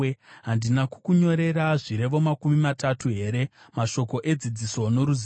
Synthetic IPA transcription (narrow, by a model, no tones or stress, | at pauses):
ɦandinaku̥kuɲo̞ɾe̞ɾaʐiɾe̞ʋo̞makumimatatuɦe̞ɾe̞ | maʃo̞ko̞ʔe̞d͡zid͡ziso̞no̞ɾuz